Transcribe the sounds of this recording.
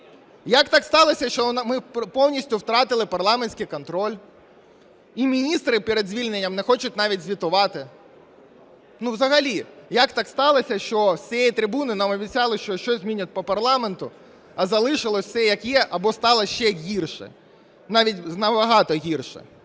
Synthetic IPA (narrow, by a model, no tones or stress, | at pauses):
jɐkt̪ɑkst̪ɑlˠɔsʲɐʃt͡ʃɔnmɪppɔwnʲisʲtʲʊwt̪ɾɑt̪ɪlˠɪpɐrlˠɑmenʲsʲkɪjkɔnt̪ɾɔlʲ | imʲinʲist̪ɾɪpɛɾed̪zʲʋʲilʲnenʲːɐmnɛxɔt͡ʃʊtʲnɑʋʲitʲzʲʋʲit̪ʊʋɑt̪ɪ | nuʋzɐɦɐlʲijɐkt̪ɑkst̪ɑlˠɔsʲɐʃt͡ʃɔsʲejit̪ɾɪbunɪnɑmɔbʲit͡sʲɑlˠɪʃt͡ʃɔʃt͡ʃɔzʲmʲinʲʊt̚ʲpɔpɐrlˠɑment̪ʊ | ɐzɐlˠɪʃɪlˠɔsʲsɛjɐkjɛʔɐbɔst̪ɑlˠɐʃt͡ʃɛɦʲirʃɛ̰ | nɑʋʲitʲnɐbɐɦɑt̪ɔɦʲirʃɛ̰